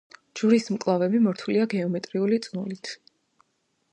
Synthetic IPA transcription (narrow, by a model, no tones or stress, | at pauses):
d͡ʒuɾismkʼlˠavɛbimɔɾt̪ʰuliaɡɛɔmɛt̪ʼɾiulit̪sʼnulit̪ʰ